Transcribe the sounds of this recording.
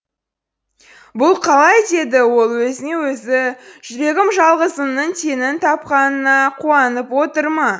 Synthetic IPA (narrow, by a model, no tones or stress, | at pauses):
bʊlˠqʰɑlˠɑjd̪e̞d̪ɪwo̞lˠwɵzɪne̞wɵzɪʒ̥ʏɾe̞ɡʲɪmʒɑlˠʁəzəmnəɴt̪ʰe̞nɪnt̪ʰɑp̚qɑnənɑqʰuɑnəpwo̞t̪əɾmɑ